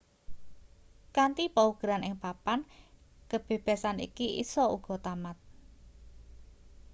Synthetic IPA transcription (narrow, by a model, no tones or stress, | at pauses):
kant̪ipauɡ̥əɾanɪŋpapankəb̥e̤b̥a̤sanḭkiʔḭsɔuɡ̥ɔ̤t̪amat̪̚